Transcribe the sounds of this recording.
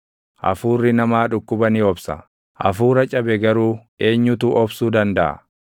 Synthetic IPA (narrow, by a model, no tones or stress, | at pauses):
ʔɐ̰fuːrːɪnɐmaːᶑʊkːʊbɐnɪɔbsɐ̰ | ʔɐ̰fuːɾɐt͡ʃʼɐbɛɡɐɾuːʔe̞ːɲːʊt̪uʔɔbsuːd̪ɐnd̪ɐʔɐ̰